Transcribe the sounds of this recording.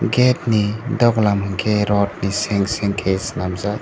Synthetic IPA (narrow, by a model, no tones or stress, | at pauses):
ɡetnidɔɡlamɯŋkʰeɾɔt̚niseŋseŋkʰesnamza